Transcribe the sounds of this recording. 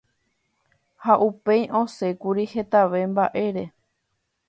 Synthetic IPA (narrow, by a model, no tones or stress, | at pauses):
haʔupe̞jʔõ̞se̞kuɾihe̞t̪aʋe̞mbaʔe̞ɾe̞